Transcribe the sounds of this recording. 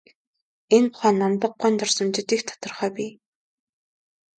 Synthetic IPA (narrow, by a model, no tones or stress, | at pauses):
enpʊχæːnamt̪ə̆q̚ɢɔnt̪ɔrsə̆mt͡ɕɪ̆t̪ikt̪ʰḁt̪ə̆rχœːpʲiː